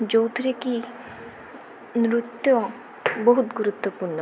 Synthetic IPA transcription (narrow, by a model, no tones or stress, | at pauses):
d͡ʑowt̪ʰiɾeki | nɾut̪ːo | boɦut̪ɡuɾut̪ːopuɾnɔ